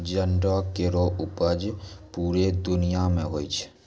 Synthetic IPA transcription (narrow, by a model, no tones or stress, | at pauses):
d͡ʒənɖɔkeɾoʔʊpəd͡ʒpuːɾed̪ʊnijamẽɦoːit͡ʃʰ